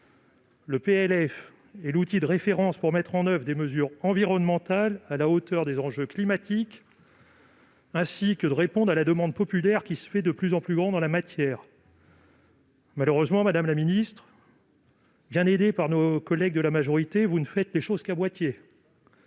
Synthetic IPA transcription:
ləpeɛlɛf | ɛlut̪id̪əʁefeʁɑ̃spuʁmɛt̪χɑ̃nœvʁəd̪eməzyʁɑ̃viʁɔnmɑ̃t̪alalaot̪œʁd̪ezɑ̃ʒøklimat̪ʰik | ɛ̃sikəd̪əʁepɔ̃d̪ʁalad̪əmɑ̃d̪̚pɔpylɛʁkʲisə̥fɛd̪əplyzɑ̃plyɡʁɑ̃d̪d̪ɑ̃lamat̪jɛːʁ | maløʁøzmɑ̃mad̪amlaminist̪χ | bjɛ̃ned̪epaʁnokɔlɛɡ̚d̪əlamaʒɔʁit̪evunəfɛt̪leʃoz̥kamwat̪je

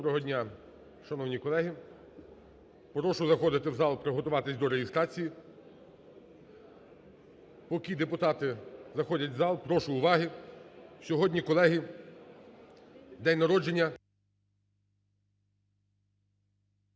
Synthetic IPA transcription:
ɾɔɦɔdʲnʲa | ʃɐnɔwnʲikɔlˠɛɦi | pɾɔʃʊzɐxɔd̪ɪt̪ɪwzɑlˠpɾɪɦɔt̪ʊʋɑt̪ɪsʲd̪ɔɾeɦɪst̪ɾɑt͡sʲiji | pɔkʲid̪epʊt̪ɑt̪ɪzɐxɔdʲɐtʲzɑlˠpɾɔʃʊːʋɑɦi | sʲɔɦɔdʲnʲikɔlˠɛɦi | d̪ɛnʲnɐɾɔd͡ʒenʲːɐ

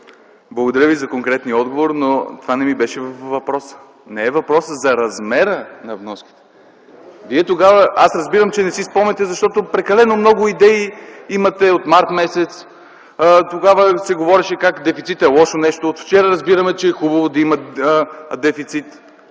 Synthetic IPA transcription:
blˠɡod̪ɐɾəvizɐkoŋkɾɛt̪niɔd̪̚ɡovoɾnot̪ovanɛmibɛʃɛvfːɐpɾɔsə̥ | nɛɛvɐpɾɔsəzɐɾɐzmɛɾənɐvnɔski̥t̪ɛ̥ | viɛt̪oɡavəasɾɐzbiɾəmt͡ʃɛnɛsispɔmnɛt̪ɛzɐʃt̪ɔt̪opɾɛkɐlɛnomnɔɡʊid̪ɛiimɐt̪ɛot̪maɾt̪mɛsɛt̪s | t̪oɡavəsɛɡovɔɾɛʃɛkakd̪ɛfit̪sit̪ɛlˠɔʃonɛʃt̪oːt̪ft͡ʃɛɾəɾɐzbiɾɐmɛt͡ʃɛɛxubɐvod̪ɐimɐ | d̪ɛfit̪sit̪

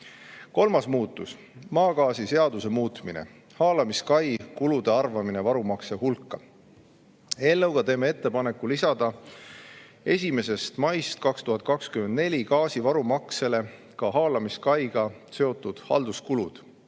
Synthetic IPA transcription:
ko̞lmɑsmuːt̪ːˑus | mɑːkɑːsise̞ɑd̪use̞muːt̪minḛ | hɑːlɑmiskɑjkulud̪e̞ɑrvɑmine̞vɑɾumɑkse̞hulkːˑɑ | e̞ːlːewɡ̥ɑt̪e̞ːme̞e̞t̪ːe̞pɑne̞kːˑulisɑd̪̥ɑ | e̞s̬ʲime̞se̞st̪mɑjst̪̚kɑkst̪uhɑt̪̚ˑkɑkskymend̪ne̞lʲikɑːsivɑɾumɑkse̞le̞ | kɑɦɑːlɑmiskɑjɡ̥ɑ | se̞o̞t̪ːˑud̪̥hɑ̰ld̪̥uskulud̪̥

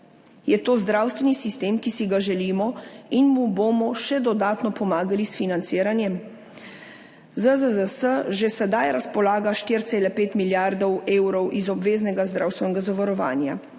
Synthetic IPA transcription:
jɛt̪oːzd̪ɾawst̪ʋɛnisist̪eːmkisiɡaʒɛliːmɔinmubomɔʃɛd̪ɔd̪aːt̪nɔpɔmaːɡalisfinant̪siːɾanjɛm | zəzəzəsəʒesɛd̪ajɾaspɔlaːɡaʃt̪iːɾt̪seːlɛpeːt̪miljaɾd̪ɔweːwɾɔwʔizɔbʋeːznɛɡazd̪ɾawst̪ʋɛnɛɡazaʋaɾɔʋa̰ːnja

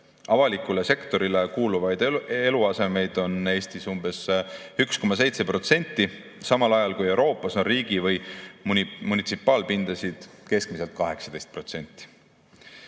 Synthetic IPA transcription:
ɑvɑlikːˑulese̞kt̪o̞ɾilekuːluvɑjd̪̥e̞luɑse̞me̞jd̪̥o̞ne̞ːst̪isumb̥e̞syksko̞mːɑs̬e̞jt̪se̞pro̞t̪se̞nʲt̪ːˑi | sɑmɑlɑjɑlkuje̞wɾo̞ːpːˑɑso̞nriːɡ̥ivɯj | munit̪sipːˑɑːlpind̪̥ɑsid̪̥ke̞sk̚miselt̪̚kɑɦe̞ksɑd̪̥ejst̪̚pro̞t̪se̞nʲt̪ːˑi̥

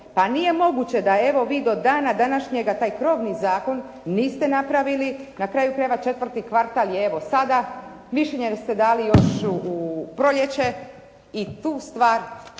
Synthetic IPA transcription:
panije̞mo̞ɡut͡ɕe̞d̪ae̞ʋo̞ʋiːd̪o̞d̪aːnad̪anaʃɲeɡat̪aːjkɾo̞ːʋnizaːko̞nː | iːst̪enapɾaʋilinakɾaːjukɾajʋat͡ʃe̞t̪ʋər̩t̪ikʋaɾt̪aljeeʋo̞sad̪a | miʃeɲest̪e̞d̪aːlijo̞ʃuupɾoʎjet͡ɕe̞ | it̪uːst̪ʋaːɾ

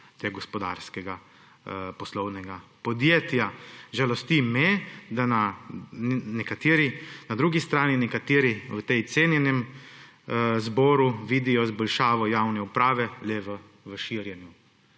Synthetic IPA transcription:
t̪eɡɡɔspɔd̪a̰ːɾskɛɡa | pɔslɔwnɛɡapɔd̪jeːt̪jaʒalɔst̪imɛd̪ana | nɛkat̪eːɾinad̪ɾuːɡist̪ɾaːninɛkat̪eːɾiwət̪ɛjt̪senjɛnɛm | zbɔːɾuʋiːd̪ijɔzbɔlʃaːʋɔjawnɛupɾaːʋɛlɛʋə | ʋəʃiɾjɛnju

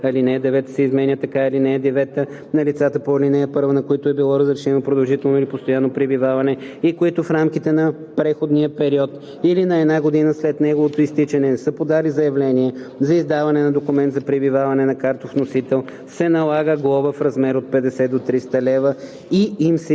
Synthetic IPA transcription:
ɐlinɛd̪ɛvɛt̪ə̥sɛizmɛnʲət̪ɐkailinɛːd̪ɛvɛt̪ə | nɐlit̪sat̪əpolinɛɐpɤɾvənɐkoit̪ʊɛbilˠɔɾəzɾɛʃɛnopɾod̪ɐlˠʒit̪ɛlˠnoilipost̪ojanːopɾibivavɐnɛikoit̪ʊfɾamk̟it̪ɛnɐ | pɾɛxod̪niəpɛɾiɔt̪ | ilinɐɛd̪naɡod̪inəslɛt̪nɛɡovot̪oist̪it͡ʃɐnɛnɛsəpod̪alizɐjɐvlɛniɛzɐizd̪avɐnɛnɐd̪okʊmɛnt̪zɐpɾibivavɐnɛnɐkaɾt̪ofnosit̪ɛlˠ | sɛnɐlˠaɡəɡlˠɔvəfɾɐzmɛɾot̪̚pɛd̪ɛsɛd̪ot̪ɾist̪əlɛvə | iimsɛ

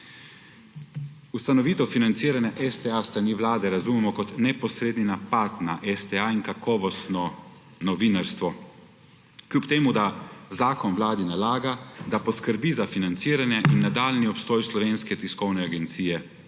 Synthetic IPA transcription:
ust̪anɔʋiːt̪ɔfinant̪siːɾanjaʔɛst̪ɛast̪ɾaniːʋlaːd̪ɛɾazumɛmɔkɔt̪nɛpɔsɾeːd̪ninapat̪naʔɛst̪ɛainkakʰɔːʋɔst̪nɔ | nɔʋinaɾst̪ʋɔ | klupt̪eːmud̪azaːkɔnʋlaːd̪inalaːɡad̪apɔskəɾbizafinant̪siːɾanjɛʔinːad̪aːlniɔpst̪ɔːjslɔʋeːnskɛt̪iskɔwnɛaɡɛnt̪siːjɛ

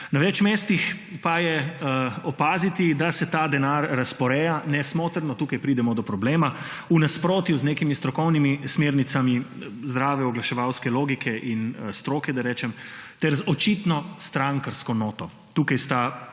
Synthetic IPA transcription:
naʋɛt͡ʃmeːst̪ixpajɛ | ɔpaːzit̪id̪asɛt̪aːd̪ɛnaɾːaspɔɾɛjanɛsmoːt̪əɾnɔt̪uːkajpɾid̪ɛmɔd̪ɔpɾɔbleːma | unaspɾoːt̪juzneːkimist̪ɾɔkɔwnimismeːɾnit̪samizd̪ɾaːʋɛɔɡlaʃɛʋawskɛloːɡikʰɛʔinst̪ɾoːkɛd̪aɾɛːt͡ʃɛmt̪ɛɾzɔt͡ʃit̪nɔst̪ɾaŋkəɾskɔnoːt̪ɔ | t̪uːkajst̪a

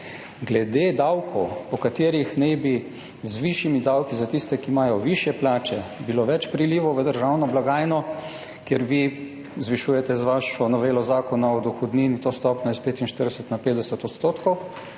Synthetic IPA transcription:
ɡlɛd̪eːd̪awkʰɔwpɔkat̪eːɾixnɛjbi | zʋiʃjimid̪awkizat̪ist̪ɛkimaːjɔʋiʃjɛplaːt͡ʃɛbiloʋɛt͡ʃpɾiliːʋɔʋəd̪əɾʒawnɔblaɡaːjnɔ | kjeɾʋi | zʋiʃujɛt̪ɛzʋaʃɔnɔʋeːlɔzaːkɔnaɔd̪ɔxɔd̪niːnit̪ost̪ɔpnɔjɛspeːt̪inʃt̪əɾd̪ɛsət̪napeːd̪ɛsət̪ɔt̪st̪oːt̪kɔw

